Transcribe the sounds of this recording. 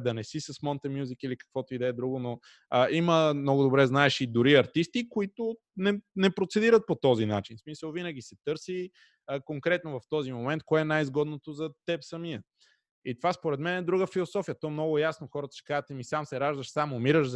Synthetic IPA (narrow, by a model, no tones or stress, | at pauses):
d̪ɐnɛsisɐsmɔnt̪ɛmjuzikilikɐ̥kvɔt̪ʊid̪ɛd̪ɾuɡono | iməmnɔɡʊd̪obɾɛznaɛʃid̪ʊɾiɐɾt̪ist̪ikoit̪ʊ | nɛnɛpɾot̪sɛd̪iɾət̪̚pot̪ɔzinat͡ʃinsmisəlˠvinəɡʲisɛt̪ɤɾsi | əkoŋkɾɛt̪̚novɐft̪ɔzimomɛnt̪̚koɛɛnajizɡɔd̪not̪ozɐt̪ɛpsɐmiə | it̪ovaspoɾɛt̪mɛnɛd̪ɾuɡəfilˠosɔfijət̪ɔɛmnɔɡʊjasnoxɔɾət̪ə̥t͡ʃɛ̥kazət̪ɛmisamsɛɾaʒd̪əʃsamʊmiɾəʃz